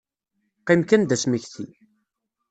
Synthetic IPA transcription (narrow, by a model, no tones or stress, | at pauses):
qimkænd̪æsməçθi